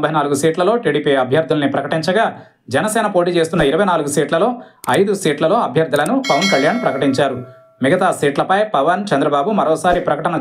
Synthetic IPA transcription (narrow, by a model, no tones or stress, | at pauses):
bɐjnaːluɡusiːʈlɐlo̞ːʈiːɽiːpiɐbʱjɐɾd̪ʱːulɐnipɾɐkɐʈiɲt͡ʃɐɡaː | d͡ʒɛnɐsɛːnɐpo̞ːʈ̬iːt͡ʃe̞ːst̪unːɐiɾɐʋɐjnaːluɡusiːʈlɐlo̞ːɐjd̪usiːʈlɐlo̞ːɐbʱjɐɾd̪ʱulɐnupɐʋɐnkɐljaːnpɾɐkɐʈiɲt͡ʃaːɾu | miɡɐt̪aːsiːʈlɐpɐjpɐʋɐnt͡ʃɐnd̪ɾɐbaːbumɐɾɔːsaːɾipɾɐkɐʈɐnɐ